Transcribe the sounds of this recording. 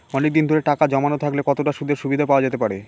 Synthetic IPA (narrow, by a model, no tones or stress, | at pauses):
ɔnek̚d̪ind̪ʱoɾeʈakad͡ʑɔmanot̪ʰaklekɔt̪oʈaʃud̪ʱeɾʃubid̪ʱapaoad͡ʑet̪epaɾe